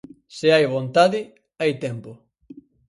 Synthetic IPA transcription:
sɪajβont̪aðɪ | ajt̪ɛmpʊ

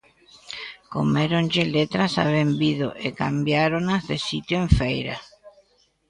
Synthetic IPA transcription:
ko̰meɾõnʲd͡ʒelet̪ɾasa̰βembiðo̰ʔekambjaɾonazðesit̪joẽɱfejɾa̰

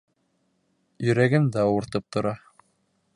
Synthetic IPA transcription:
jɵ̆ɾæɡɘmd̪æŏɾt̪ɤp̚t̪ŏɾɑ

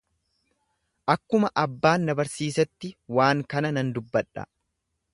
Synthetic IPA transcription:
ʔɐkːʊmɐʔɐbːaːnːɐbɐɾsiːsɐt̪ːɪwaːŋkɐnɐnɐnd̪ʊbːɐᶑɐ̰

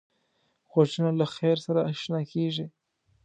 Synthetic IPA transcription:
xwaʃinalaxeɾsaɾaːʃnakeʐi

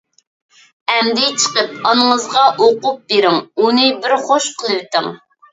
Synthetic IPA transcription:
ɛmd̪ɪt͡ʃʰə̥qəp̚ɑnɨŋəzʁɑʔoqup̚beɾɪŋunɨbɪɾχoʃqʰəlˠɨwt̪ɪŋ

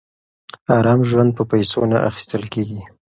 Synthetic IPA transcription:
ɑɾɑmʒwand̪̚pəpajsonaʔa̰xi̥st̪əlkeɡi

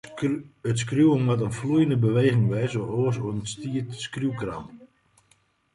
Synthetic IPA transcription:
ətskrjuwəmwat̬ənflujəndəbəʋeːɣɪŋʋɛjsoʔoəsoənəstiətskrjuwkra̰mp

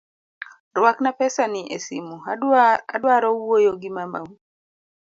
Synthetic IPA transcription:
rwaknapɛsanɪʔesimua̰dwaɾɔwojoɡɪmamawu

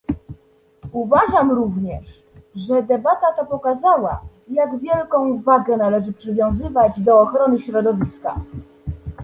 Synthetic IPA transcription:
uvaʐamɾuvɲɛʂ | ʐɛd̪ɛbat̪at̪apɔkazawa̰ | jaɡvʲjɛlkɔ̃w̃vaɡɛnalɛʐɘpʂɘvʲjɔ̃w̃zɘvad͡ʑd̪ɔːxɾɔnɘɕɾɔd̪ɔvʲiska

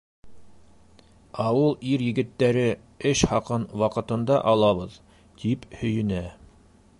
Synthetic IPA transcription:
ɑwɤlˠiɾjɘ̆ɡɘ̆t̪ːæɾɘ | ɘʃhɑqɤnwɑqɤ̆t̪ɤ̆nd̪ɑʔɑlˠɑβɤð | t̪ʰiphɵ̆jɵ̆næ

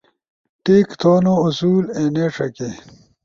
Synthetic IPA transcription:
ʈeːkt̪ʰoːnousuːleːneːʂʰɐke

